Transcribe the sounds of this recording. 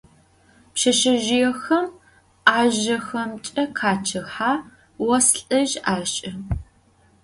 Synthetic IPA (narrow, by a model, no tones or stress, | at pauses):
pʃɐʃɐʒɪjɛxɐm | aːʒɐxɐmt͡ʃʼɐkʰaːt͡ʃʰɨħaː | wɐsɬʼɐʒaːɕʼɐ